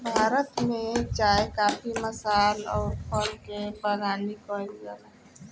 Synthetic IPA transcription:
bʱaːɾət̪mẽd͡ʒaːekaːpiməsaːlɔːɾpʰɔlkebəɾaːnikɔːizəɾ

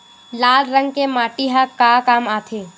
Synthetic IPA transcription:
laːlɾə̃ŋɡkemaːʈiɦakakaːmaːt̪ʰeː

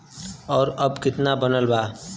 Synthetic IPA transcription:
ɔːɾəbkɪt̪nabənəlbaː

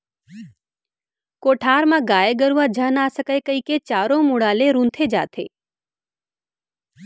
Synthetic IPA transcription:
koʈʰaːɾmãɡajeɡəɾuʋad͡ʒʱanasəkajkəiket͡ʃaɾõmuɽaleɾũnt̪ʰed͡ʒa̰t̪ʰḛ

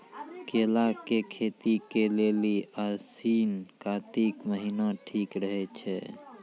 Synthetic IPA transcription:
kelakekʰet̪ikeleliasinkat̪ikməɦinaʈʰikɾəɦɛt͡ʃʰɛ

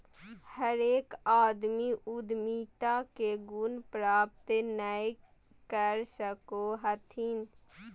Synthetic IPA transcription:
həɾeːkaːd̪miʔʊd̪miːt̪akeɡʊnpɾaːp̚t̪enəi | kəɾsəkoɦət̪ʰin

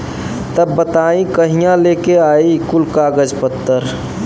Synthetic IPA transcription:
t̪əbːət̪aːĩkəɦijãlekeaːikulkaːɡəd͡ʒpət̪ːəɾ

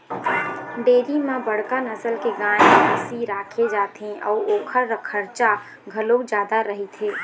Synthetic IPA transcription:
ɖeːɾimãbəɽ̤kanəsəlkeɡaːɽ̃eəsiɾaːkʰed͡ʒaːt̪ɦẽʔɔ̰ːɾoːkʰəɾːəkʰəɾt͡ʃa | ɡʱəlod͡ʒjaːd̪aɾəɦit̪ʰɦeː

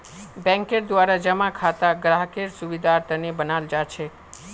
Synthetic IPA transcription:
bɛ̃ŋkeɾd̪ʋaɾad͡ʒəmãkʰat̪aɡɾaɦkeɾsuʋid̪ʱaɾt̪ənebənald͡ʒat͡ʃʰe

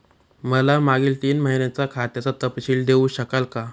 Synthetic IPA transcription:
məlamaɡiːlt̪iːnməɦinjat͡sakʰat̪jat͡sat̪əpɕiːld̪eũɕəkalka

